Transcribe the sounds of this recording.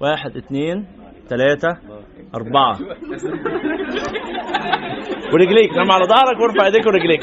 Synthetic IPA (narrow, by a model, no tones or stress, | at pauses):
waːħed̪ʔɪt̪neːn | t̪ælæːt̪æ | ʔɑɾˤbɑʕɑ̰ | weɾeɡliːknæmːaʕalæd̪ˤɑhɾˤɑkweɾfaʕed̪iːkweɾeɡliːk